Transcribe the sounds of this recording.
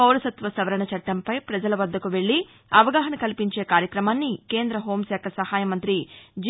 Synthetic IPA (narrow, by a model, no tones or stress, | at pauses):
ɐwɾɐsɐt̪ʋɐsɐʋɐɾɐɳɐt͡ʃɐʈːɐmpɐjpɾɐd͡ʒɐlɐʋɐd̪ːɐkuʋe̞ɭːi | ɐʋɐɡaːɦɐnɐkɐlipiɲt͡ʃe̞ːkaːɾjɐkɾɐmaːnːikeːnd̪ɾɐɦo̞ːmsɛːkʰɐsɐhaːjɐmɐnt̪ɾid͡ʒ